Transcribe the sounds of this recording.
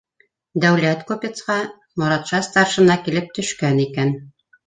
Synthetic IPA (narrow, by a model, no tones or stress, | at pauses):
d̪æwlæt̪kopʲet̪sqɑ | mŏɾɑt̪ʃɑst̪ɑɾʃɤ̆nɑkilɘp̚t̪ɵ̆ʃkænikæn